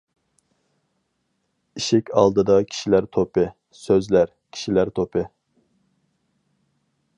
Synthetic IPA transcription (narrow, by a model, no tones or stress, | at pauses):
iʃɪkʲʰɑlˠd̪ɨd̪ɑkʲʰi̥ʃilæɾt̪ʰopɨ | søzlæɾ | kʲʰi̥ʃilæɾt̪ʰopʰɨ